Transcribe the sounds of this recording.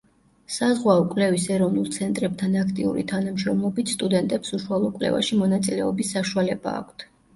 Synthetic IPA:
sazʁwaɔkʼwlɛvisɛɾɔvnulˠt̪sʰɛnt̪ʼɾɛb̚t̪ʰanakʰt̪ʼiṵɾḭt̪ʰanamʃɾɔmlˠɔbit̪st̪ʼud̪ɛnt̪ʼɛpsuʃualˠɔkʼwlɛ̰va̰ʃimɔnat̪sʼilɛɔbisːaʃualɛba̰ːkʷʰt̪ʰ

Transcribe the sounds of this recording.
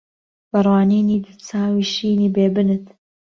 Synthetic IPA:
b̥ɐrwaːniːniːd̪ɨt͡saːwiːʃiːniːbeːbɨnɨt̪

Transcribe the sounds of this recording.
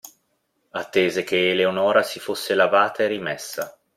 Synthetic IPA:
at̪ːeːzek̟eːleonɔːɾasifosːelavaːt̪aerimesːa

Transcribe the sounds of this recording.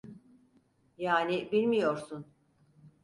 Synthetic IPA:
jaːnibilʲmijo̞ɾsun

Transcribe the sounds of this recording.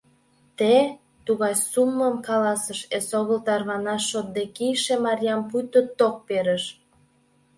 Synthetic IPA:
t̪e | t̪uɣɑjsumləmkɑlɑsəʃesoɣəlt̪ɑrβɑnɑʃːot̪̚d̪ekijʃemɑɾʲjɑmpujt̪ət̪ːok̚peɾəʃ

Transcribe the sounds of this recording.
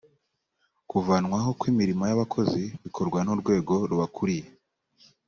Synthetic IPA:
kuvanwaɦo̞kwiːmiɾimojaβakʰo̞ziβikʰo̞ɾɡwanoɾɡwe̞ːɡo̞ɾuβakʰuɾije

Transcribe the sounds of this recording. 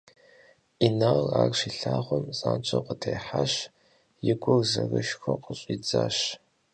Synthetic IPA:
inaraːrʂiɬaːʁʷɔmsʼaːnt͡ʃʰʼɐqʷətʰejħaʃ | jɪɡʷʊrzɐrɨʃxʷɐqəɕʼiːd͡zaːɕ

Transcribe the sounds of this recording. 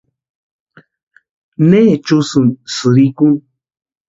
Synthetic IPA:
neːt͡ʃusunsɨɾikuŋ

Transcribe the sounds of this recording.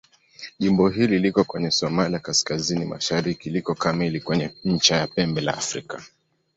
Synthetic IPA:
ʄimbɔɦililikɔkwɛɲɛsɔmalijakaskazinima̰ʃaɾikilikɔkamilikwɛɲɛɲ̩t͡ʃajapɛmbɛla̰ːfɾḭka

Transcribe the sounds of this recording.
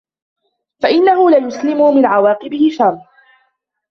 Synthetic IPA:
faʔɪnːahʊlajʊslɪmʊmɪnʕawɑːqɪbɪhɪʃarˤ

